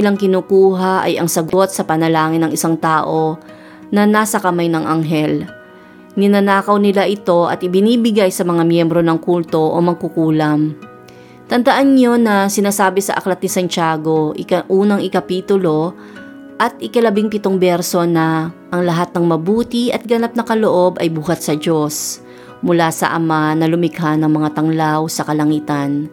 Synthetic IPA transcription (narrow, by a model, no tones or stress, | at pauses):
ɪlaŋkɪnuːkuːɦaʔɐ̰jɐ̰ŋsɐɡo̞t̪̚sɐpɐnɐlaːŋɪnɐŋɪsaŋt̪aːʔo̞ | nɐnaːsɐkɐmajnɐŋʔaŋɦɛl | nɪnɐnaːkɐwnɪlaʔɪt̪o̞ʔɐ̰t̪ʔɪbɪniːbɪɡajsɐmɐŋamjɛmbɾo̞nɐŋkult̪o̞ʔomɐɡ̚kʊkuːlɐm | t̪ɐnd̪ɐʔanɲo̞nɐsɪnaːsaːbɛsɐ̰ʔɐ̰klɐt̪nɪsɐnt͡ʃaːɡo̞ʔɪkɐʔuːnɐŋɪkɐpiːt̪ʊlo̞ | ʔɐt̪̚ʔɪkɐlɐbɪŋpɪt̪oŋbɛɾso̞nɐʔɐŋlɐɦat̪̚nɐŋmɐbuːt̪ɪʔɐt̪̚ɡɐnap̚nɐkɐloʔo̞bɐjbuːɦat̪̚sɐd͡ʒo̞s | mʊlasɐ̰ʔɐmanɐlʊmɪkɦanɐŋmɐŋat̪ɐŋlawsɐkɐlɐŋiːt̪ɐn